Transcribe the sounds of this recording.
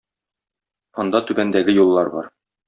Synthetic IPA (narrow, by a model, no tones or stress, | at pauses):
ɒ̆nd̪ɑt̪ʉbænd̪æɡɘjulˠːɑɾbɒ̰ɾ